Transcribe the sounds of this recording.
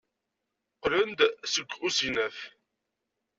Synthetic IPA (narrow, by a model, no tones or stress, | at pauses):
qlənd̪səɡʷːusinæf